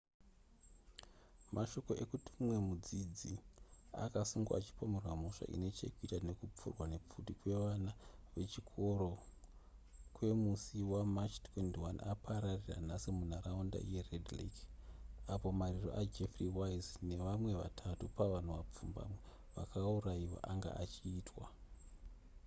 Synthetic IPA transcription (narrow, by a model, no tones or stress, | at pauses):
mʔaʃo̞ko̞ʔe̞kutu̥mwe̞mud͡zid͡zia̰kasuŋɡa̰at͡ʃi̥po̞me̞rwamo̞ʂa̰ʔḭne̞t͡ʃḛkuitane̞kup͡fṵrwane̞p͡futikwe̞ʋanaʋe̞t͡ʃikʰo̞ɾo̞ | kwe̞musiwamat͡ʃtʰwe̞ntiwanapʰaɾarira̰n̤asimun̤araunda̰je̞redlḛk | apo̞mariro̞̰ʔad͡ʒefriwaizne̞ʋamwe̞ʋa̰tʰatupaʋan̤uʋap͡fumba̰mwe | ʋa̰kʰauraiwa̰ʔaŋɡa̰ʔat͡ʃiːtʰwa